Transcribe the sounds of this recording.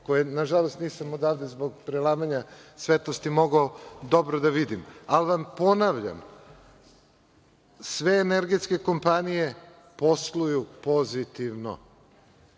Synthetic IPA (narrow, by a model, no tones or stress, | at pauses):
ko̞jenaʒalˠo̞st̪niːsamod̪aːʋd̪ezbo̞ɡpɾelˠaːmaɲasʋet̪lost̪imo̞ɡaod̪o̞bɾod̪aʋid̪imalʋampo̞naʋʎa̰m | sʋe̞ːneɾɡet̪ske̞ko̞mpanije̞ | po̞slˠujupo̞zit̪iʋno̰